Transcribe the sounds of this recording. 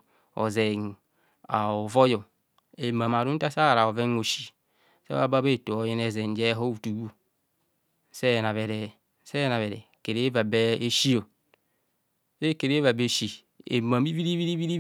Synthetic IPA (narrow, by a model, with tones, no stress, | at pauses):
o̰˨ze˨n | a˨o˨vo˦jo˨ | e˨ma˨m˨a˨ɾu˦n˦ta˦sa˦˨ɾa˨o˨ve˦ŋo˨ʃi˨ | sḛ˦a˦ba˦be˦˨to˨o˨je˦ne˨ze˨n˨d͡ʒe˦ɦo˦u˨tu˨ɡu˦ | se˦˨na˨βe˨ɾe˨ | se˦na˨βe˨ɾe˨ke˨ɾe˦va˨be˦e˦ʃi˦o˨ | se˦˨ke˨ɾe˦va˨be˦ʃi˨ | ḛ˨ma˨mi˦vi˦ɾi˦vi˦ɾi˦vi˦ɾi˦